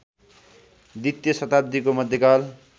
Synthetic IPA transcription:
d̪it̪jʌsʌt̪abd̪ikomʌd̪ʱjekal

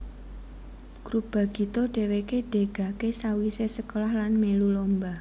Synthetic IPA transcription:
ɡ̥ɾub̥a̤ɡ̥i̤t̪oɖ̥e̤wekeɖ̥e̤ɡ̥a̤kesawisesəkolɔhlanmelulomba

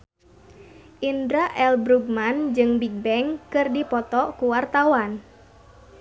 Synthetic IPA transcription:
ʔindɾaʔɛlbɾuɡ̚mand͡ʒɨŋbik̚bɛŋkɨrdipɔt̪ɔkuwart̪awan

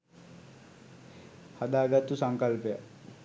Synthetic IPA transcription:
hɐd̪aːɡɐt̪usɐŋkɐlpjə

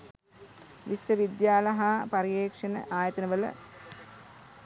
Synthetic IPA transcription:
ʋisjəʋid̪jaːlɐɦapaɾijeːkʂɐnə̰ʔaːjɐt̪ɐnəʋələ̰

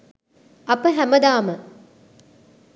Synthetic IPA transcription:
ɐpəɦæməd̪aːmə

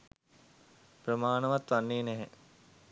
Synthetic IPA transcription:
pɾəmaːnəʋat̪ʋanːeːnæɦɛ

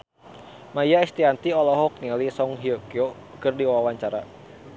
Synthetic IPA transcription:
majaɛst̪iant̪iɔlɔɦɔk̚ŋɛlisɔŋɦiɔkio | kərdiwaawaɲt͡ʃaɾa

